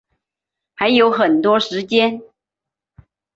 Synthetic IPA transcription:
xa˧˥ɪjo˧˥ʊxə˨˩nt̪wɔ˥ʂɻ̩˧˥t͡ɕjɛ˥n

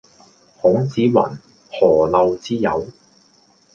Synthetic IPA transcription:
hʊ˨˥ŋt͡siː˨˥wɐ̰˨˩n | hɔː˨˩lɐ˧wt͡siː˥jɐ˨˧w

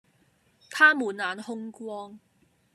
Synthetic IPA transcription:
t̪ʰaː˥muː˨˩nlaː˨˥nhʊ˥ŋkwɔː˥ŋ

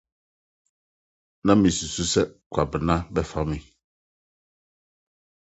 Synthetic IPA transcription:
nã˦mĩ˨su˨su˦sɛ˦kʷʰa˨bɪ˨nã˦bɛ˦fa˦mɪ̃˦

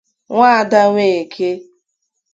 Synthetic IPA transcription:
ŋʷa˦a˨da˦ŋʷe˨e˨kʰe˦

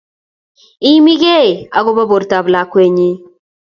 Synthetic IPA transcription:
i˦mi˦ɡe˦˨a˨ɡo˦ba˦bo˨ɾta˨bla˨˦kwe˦ɲi˦

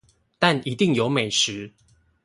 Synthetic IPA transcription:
t̪a˥˨ni˨˦t̪i˥˨ŋjo˨˦ʊme˨˩ɪʂɻ̩˨˦

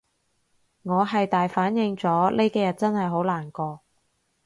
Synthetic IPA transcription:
ŋɔː˨˧ɦɐ˨jt̪aː˨jfaː˨˥njɪ˨˧ŋt͡sɔː˨˥le˥jkɛː˧jɐ˨˩t̚t͡sɐ˥nhɐ˨jɦo˨˥wlaː˨˩nkɔː˧

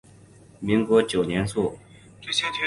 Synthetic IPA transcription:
mi˧˥ŋkwɔ˥t͡ɕjo˨˩ʊɲjɛ˧˥nsu˥˨

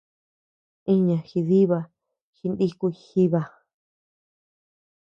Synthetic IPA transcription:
ĩ˦ɲã˨xi˧ði˦βa˧ | xi˧nd̪i˦ku˧i˧xi˦βa˧

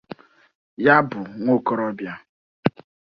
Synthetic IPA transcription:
ja˦bʊ˨ŋʷo˦˨ko˦ɾɔ˦bja˦

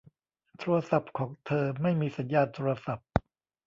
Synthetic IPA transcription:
t̪ʰɾuː˧ɐ˧sa˨˩p̚kʰɔː˩˦ŋt̪ʰɤː˧ma˥˩jmiː˧sa˩˦njaː˥˩t̪ʰːu˧ɾa˧sa˨˩p̚

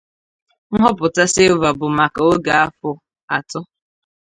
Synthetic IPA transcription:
ŋ̩˦ɦɔ˦pʊ˨ta˦se˦va˨bʊ˨ma˨ka˨o˦ɡa˨a˦fʊ˨ | a˨tʊ˦

